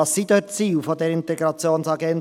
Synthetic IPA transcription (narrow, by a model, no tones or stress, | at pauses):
ɑsit̪əɾt͡siufɑd̪ɛɾint̪ɛɡɾɑt͡sʰjɔnt͡sɑɡɛn